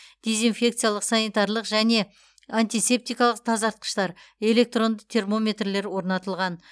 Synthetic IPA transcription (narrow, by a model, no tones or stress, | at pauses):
d̪̥e̞zinfʲe̞kt̪sɨjalˠəqsɑnijt̪ɑɾlˠəqʒæne̞ | ant̪ijse̞p̚t̪ijkɑlˠəq̚t̪ʰɑzɑɾt̪̚qə̥ʃt̪ɑɾe̞le̞k̚t̪ro̞nd̪əqt̪ʰe̞rmo̞mʲe̞t̪rle̞ɾwo̞ɾnɑt̪əlˠʁɑn